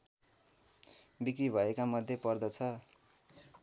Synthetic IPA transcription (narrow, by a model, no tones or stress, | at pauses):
bikribʱʌekamʌd̪ʱːjepʌrd̪ʌt͡sʰʌ